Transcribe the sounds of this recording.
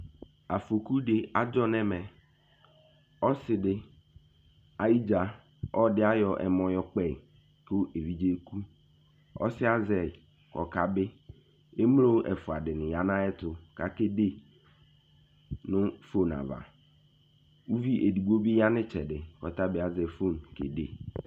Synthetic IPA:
a˨fo˨ku˦dɪ˨a˨d͡ʒɔ˦nɛ̃˦mɛ̃˨ | ɔ˦sɪ˨dɪ˨ | a˨i˦d͡ʒa˨ | ɔ˦dɪ˦a˦jɔ˨ʔɛ̰˨mɔ̃˨jɔ˦k͡pɛ˨ | ko˦ʔe˨vi˦d͡ʑe˦kʰu˦ | ɔ̰˦sɪ˦a˦zɛ˨ | kʰɔ̰˨ka˨bɪ˦ | e˦m˦lo˦ʔɛ˨fʊ˨a˨dɪ˨nɪ̃˨ja˨nã˦ɛ˦tʊ˨ka˨ke˦de˦ | nʊ̃˦fo˦na̰˨va̰˨ | u˦vi˦ʔe˨du˨ɡ͡bo˦bi˦ja˦nɪ̃˦t͡ʃʰɛ˨dɪ˨kɔ˨ta˦bɪ˨˦a˨zɛ˨fo˦˨nkḛ˨de˨

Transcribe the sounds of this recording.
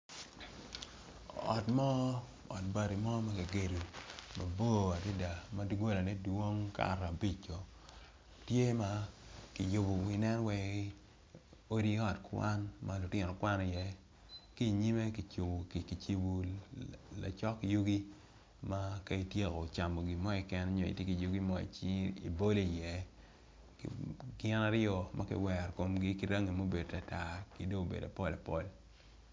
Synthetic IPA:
ɔ̰˨tmɔ˦ | ɔ̰˨t̚ba˨ɾi˨mɔ˦ma˦ki˨ɡe˨ɾu˨ma˨bo˦a˨dɪ˦da˨ma˦di˦ɡo˦la˨nɛ˦dwo˦ŋka̰˦˨ɾa˨bi˦t͡ʃːɔ˨ | tje˦ma˦kɪ˨jo˨bu˨ɪ˨nɛ˦nwɛ˦ | o˦ɾi˦ɔ˨tkwa˦nma˦lʊ˨tɪ˦˨nɔ˨kwa˦nɔ˨jɛ˦ | ki˦˨ɲi˦me˦ki˨t͡ʃo˨u˨ki˨t͡ʃi˨bu˨ | la̰˨t͡ʃɔ˦kːi˨jo˦ɡi˦ | ma˦ka˦i˦˨tje˦kɔ˨t͡ʃa˨mo˨ɡi˨mɔ˦i˨kɛ˦n˦ɲɔ˨ḭ˨tje˦ki˨jo˦ɡi˦mɔ˦ḭ˨t͡ʃḭ˨bo˦le˦˨jɛ˨ | kɡɪ˦na˦ɾɪɔ˨ma˦kɪ̰˦wɛ˨ɾko˨mɡi˦ki˦ɾa˦ŋi˨mo˦be˨dta˨ta˨ki˨do˦o˨bḛ˨da˨pɔ˦la˨pɔ̰˦˨l

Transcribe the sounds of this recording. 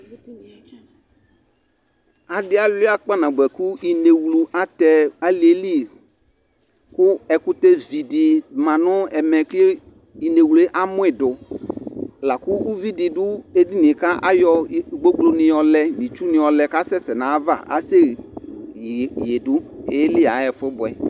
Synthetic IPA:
a˨dɪ˦a˨la˦k͡pa˦nã˨ɡ͡bɛ˨ku˦i˨ne˨wlu˨ʔa˦t̪ɛ˦a˦li˨˦e˦li˦ | kʊ˦ɛ˨kʊ˦t̪e˦vi˨di˨mã˨nʊ̃˦ɛ˨mɛ̃˨kɪ˦ | i˨ne˨wlu˨˦e˦ʔa˦mʊ̃˦ɪ˨dʊ˨ | la˨kʊ˦u˦vi˦di˨dʊ˦e˦di˦nɪ̃˨ka˦ʔa˦jɔ˦˨ɡ͡bo˦ɡ͡blo˦nɪ̃˨jɔ˨lɛ˦mĩ˨t͡ʃu˦nɪ̃˨ɔ˨lɛ˨ka˦sɛ˦sɛ˨nã˨˦va̰˦˨a̰˨˦se˦˨ | je˨dʊ˦e˨˦ɛ˦lɪ˦˨a˨˦ɛ˨fɪ˦bʊ˨ɛ˨

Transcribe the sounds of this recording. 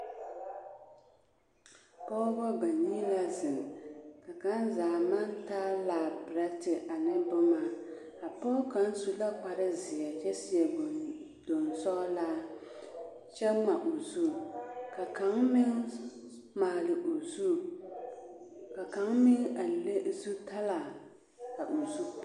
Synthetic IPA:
pɔː˦bɔ˦ba˨nɲi˦la˦zɪ˨ŋ˨ka˨ka˨˦nzaː˨ma˦ntaː˦laː˨bɾa˦tɪ˨ʔa˨nɨ˦bʊ˦ma˦˨ | a˨pɔː˦ka˨˦n˦su˦la˦k͡pa˨ɾɪ˦zɪ˨a˨t͡ʃɛ˦sɪ˦jɛ˨ | do˨nsɔ˦la˦ | t͡ʃɛ˦ma˨ʔo˨zu˦˨ka˨ka˨˦ŋmɪ˦ŋ | maː˨lɪ˨ʔo˨zu˦ | ka˨ka˨˦ŋmɪ˦ŋa˨le˦zu˦ta˦la˨ | ka˨ʔo˨zu˦

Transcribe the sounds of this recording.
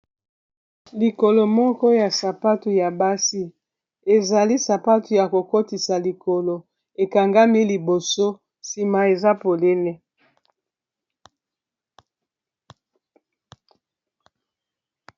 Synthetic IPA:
li˨ko˨lo˨mɔ˦kɔ˦ja˨sa˨pa˦tu˨ja˨ba˦si˦ | e˨za˨li˦sa˨pa˦tu˨ja˨ko˨ko˦ti˨sa˨li˨ko˨lo˨ | e˨ka˨ŋɡa˦mi˦li˨bo˨so˦ | si˨ma˨e˨za˦po˨le˦le˦

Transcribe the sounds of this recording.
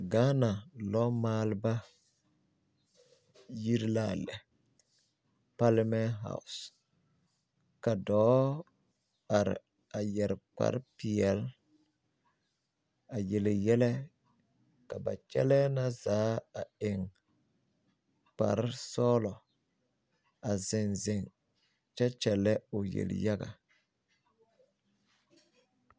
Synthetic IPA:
ɡaː˦na˨lɔ˦maː˦lba˦ | ji˦ɾla˦˨lɛ˨ | pa˦lmɛ˦nɦa̰˦˨ʊ˨s | ka˨dɔː˦ | a˨ɾɪ̰˨ | a˨jɛ˨ɾk͡pa̰˨ɾpɪ˨ɛ˨l | a˨je˨lɪ˨jɛ˦lɛ˦ | ka˨ba̰˨t͡ʃɛ̰˦lɛ˦na˦zaː˨˦a˨ɪ˨ŋ | k͡pa̰˨ɾsɔː˦lɔ˨ | a˨zɪ˨nzɪ˨ŋ | t͡ʃɛ˦t͡ʃɛ˨lɛ˦o˨jḛ˨l̰ja˦ɡa̰˨

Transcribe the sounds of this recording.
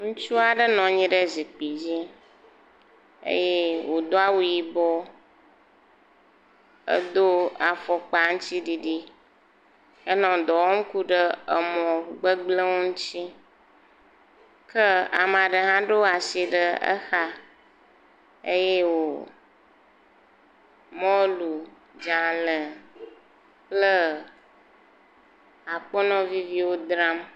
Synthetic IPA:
ŋũ˦t͡ʃu˦a˨ɖə˦nɔ̃˨ɲĩ˦ɖə˦zi˨k͡pi˨d͡ʑi˦ | ḛ˦je˦wo˨d̪o˦a˦wu˨ji˨bɔ˦ | ə̰˦d̪o˦a˨fɔ˨k͡pa˨ŋ̩̃˦t͡ɕi˦ɖi˨ɖi˦ | ə˦nɔ̃˨d̪ɔ˨wɔ˦ŋ̩˦ku˦ɖə˦ə˨mɔ̃˨ɡ͡bə˦ɡ͡blə˦wo˦ŋũ˦t͡ɕi˦ | kə˦a̰˨m˨ã˨ɖə˨ɦã˦ɖo˦wa˨si˨ɖə˨ə̰˦xa˦ | e˦je˦wo˨ | mɔ̃˦lu˨ | d͡ʒa˨lə˨ | k͡plə˦ | a˨k͡pɔ˦nɔ̃˦vi˦vi˦wo˦d̪ɾa˦m

